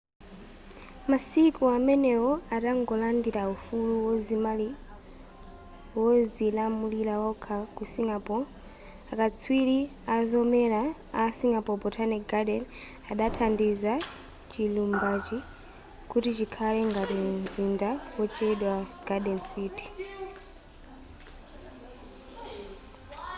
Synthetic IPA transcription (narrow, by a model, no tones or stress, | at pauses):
masikuamɛnɛwɔaɗaŋɡɔlandiɾaufuluwɔzimali | wɔzilamulilawakʰakusiŋɡapɔ | akat͡sʰwiɾi | azɔmɛɾaːsiŋɡapɔbɔtʰanɛɡaɗɛn | aɗatʰandiza | t͡ʃilumbat͡ʃi | kutit͡ʃikʰalɛŋɡatinzindawɔt͡ʃɛɗwaɡ̥aɗɛnsiːti̥